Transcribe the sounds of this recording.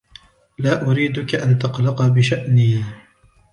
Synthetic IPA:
laːʔʊɾiːd̪ʊkaʔant̪ɑqlɑqbɪʃaʔniː

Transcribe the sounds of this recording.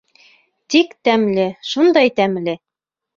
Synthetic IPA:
t̪ikt̪æmlɘʃund̪ɑjt̪æmlɘ

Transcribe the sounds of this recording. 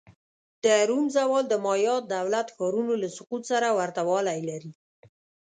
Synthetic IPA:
d̪̥əɾumzawɑld̪əmɑjɑt̪̚d̪awlat̪xɑɾunolasʊqut̪saɾawaɾt̪awɑlajlaɾi

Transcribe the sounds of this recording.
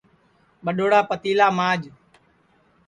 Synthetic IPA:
ɓəɗoːɽaːpət̪iːlaːmãːd͡ʒ

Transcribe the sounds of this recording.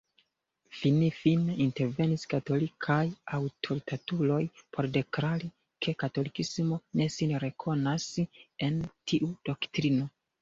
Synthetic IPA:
finifineinte̞ɾve̞niskato̞likʰajawtʰo̞ɾitʰatulo̞jpʰo̞ɾde̞kɾali | kʰe̞kato̞likismone̞sinɾe̞kʰo̞nase̞ntʰiʔudo̞ktɾino̞

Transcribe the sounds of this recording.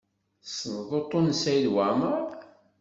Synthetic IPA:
sənðˤot̪ˤːonsæjlwæməɾˤ

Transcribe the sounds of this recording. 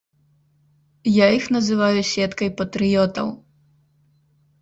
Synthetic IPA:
jaixnɐzɨvajusʲɛt̪kɐjpɐt̪ɾɨjɔt̪ɐ̰w

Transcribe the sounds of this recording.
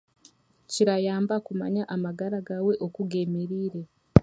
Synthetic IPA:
ciɾajaːmbakuma̰ɲaʔamaɡaɾaɡawe̞ʔo̞kuɡemeɾiːɾe̞

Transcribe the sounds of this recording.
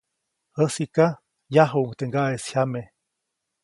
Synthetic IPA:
həsika | jaɦuuŋt̪eŋɡaesçame

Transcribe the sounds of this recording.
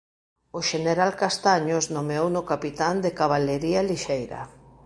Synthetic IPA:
ʊʃeneɾalkast̪aɲosnomeownʊkapit̪and̪ekaβ̞aleɾialiʃejɾɐ̰

